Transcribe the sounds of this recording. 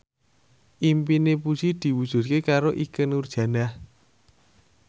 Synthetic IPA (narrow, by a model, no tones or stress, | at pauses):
ʔimpinepu̥ʒ̥id̪̥i̤wud̥ʒ̥ṳt̪̚kekaɾoʔikənurd̥ʒ̥ä̤nah